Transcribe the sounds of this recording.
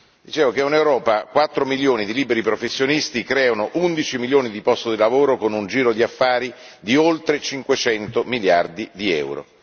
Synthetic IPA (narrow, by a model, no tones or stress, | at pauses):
d̪it͡ʃeːvokeunewɾɔːpakwat̪ːɾomiljoːnid̪iliːbeɾipɾofesːjonist̪ikɾɛːonoʔund̪it͡ʃimiljoːnid̪ipɔst̪od̪ilavoːɾokonund͡ʒiːɾod̪iafːaːɾi | d̪iolt̪ɾet͡ʃiŋkwet͡ʃɛnt̪omiljard̪id̪iɛ̰wɾo̰